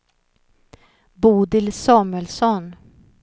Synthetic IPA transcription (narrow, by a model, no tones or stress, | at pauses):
buːd̪ɪlsɑːmʉəlsɔn